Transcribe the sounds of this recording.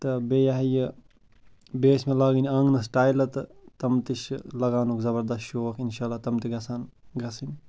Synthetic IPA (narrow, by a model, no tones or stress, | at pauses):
t̪ɨbeːjaɦɐjɨ | beːsmelaːɡinʲɐŋɡnɐs̬ʈaːjlɐt̪ɨt̪ɐmt̪iʃlɐɡaːnukzɐbɐɾd̪ɐstjoɐkʰinʃaːlat̪ɐmt̪iɡɐsʰaːnɡɐsinʲ